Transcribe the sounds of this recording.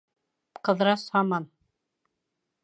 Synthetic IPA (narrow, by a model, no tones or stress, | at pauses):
qɤ̆ðɾɑshɑmɑn